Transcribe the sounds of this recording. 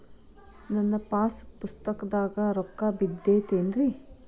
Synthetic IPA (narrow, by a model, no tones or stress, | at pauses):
nɐnːɐpaːspust̪ɐkɐd̪aːɡɐɾɔkːaːbid̪ːeːt̪eːnɾi